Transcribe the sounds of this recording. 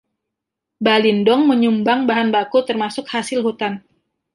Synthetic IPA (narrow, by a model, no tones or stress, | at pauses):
balindɔŋməɲumbaŋbaɦanbakut̪ərmasʊkhasɪlɦut̪an